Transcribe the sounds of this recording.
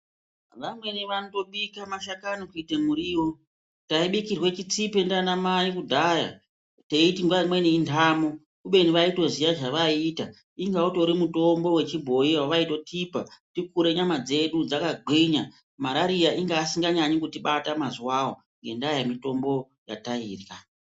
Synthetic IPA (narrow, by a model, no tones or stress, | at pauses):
ʋamwe̞niʋanoto̞ɓikamaʃakanokuitemuɾiːwo̞ | taiɓikirwe̞t͡ʃit͡sipe̞ndanamaikudʱaja̰ | teitiŋɡaimwe̞niintʰaːmo | kuɓe̞niʋaito̞zijaʐaʋaita | iŋɡauto̞ɾimuto̞mbo̞we̞t͡ʃibʱo̞iwwaʋaito̞tʰipatik̚uɾe̞ɲamad͡ze̞ɗud͡zakaɡʱwiɲa | maɾaɾijaʔiŋɡaːsiŋɡaɲaɲikutiɓatamazuwawo | ŋɡe̞ndajamito̞mbo̞ | ja̰taiːrja